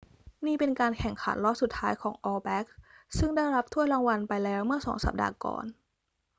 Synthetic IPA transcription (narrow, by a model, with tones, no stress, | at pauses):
niː˥˩pe˧nkaː˧nkʰɛ˨˩ŋkʰa̰˩˦nlɔ˦˥su˨˩t̪ʰːaː˦˥jkʰɔː˩˦ŋʔɔː˧bɛ˦˥k̚ | sɯ˥˩ŋda˥˩jɾa˦˥p̚t̪ʰu˥˩əɾa˧ŋwa˧npa˧jlɛː˦˥wmɯ˥˩ɐsɔ̰ː˩˦ŋsa̰˨˩p̚da̰ː˧kɔ̰ː˨˩n